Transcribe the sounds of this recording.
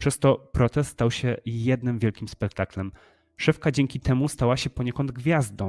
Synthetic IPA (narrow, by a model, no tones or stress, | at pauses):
pʂɛst̪ɔpɾɔt̪sɛst̪st̪awɕɛjɛd̪nɘmvʲjɛlkʲimspɛk̚t̪aklɛm | ʂɛfkad͡ʑɛŋkʲit̪ʰɛmust̪awaɕɛpɔɲɛkɔnd̪̚ɡvʲjazd̪ɔ̃w̃